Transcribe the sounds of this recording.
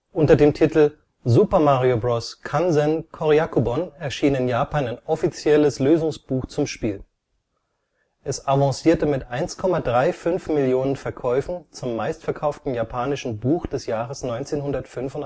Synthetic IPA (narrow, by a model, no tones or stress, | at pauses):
ʔʊntɐdeːmtʰitl̩ | zupɐmaʁiobʁɔskʰanzɛnkʰɔʁiakubɔnɛɐʃiːnɪnjaːpaːnaɪnʔɔfit͡sjɛləsløːzʊŋsb̥uːxt͡sʊmʃpiːl | ʔɛsavãsiːɐtəmɪtʔaɪnskʰɔmadʁaɪfʏnfmɪljoːnənfɛɐkʰɔʏfn̩t͡sʊmːaɪstfɛɐkʰaʊftn̩japʰaːnɪʃn̩buːxd̥ɛsjaːʁəsnɔʏnt͡seːnhʊndɐtfʏnfʊnt